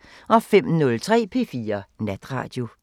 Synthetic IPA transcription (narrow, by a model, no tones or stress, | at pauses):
ʔɒ̽fem̰nɔ̽lt͡sʰʁɛ̰ːpʰe̝fiːɐnæd̥ʁɑ̰̈ːd̥jo̝